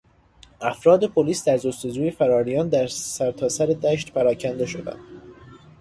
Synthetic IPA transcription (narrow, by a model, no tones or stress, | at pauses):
ʔæfɾɒːd̪e̞pʰoliːsd̪æɾzost̪ed͡ʒuːje̞fæɾɒːɾijɒːnd̪æɾsæɾt̪ʰɒːsæɾed̪æːʃt̪pʰæɾɒːcʰænd̪e̞ʃo̞d̪æ̰n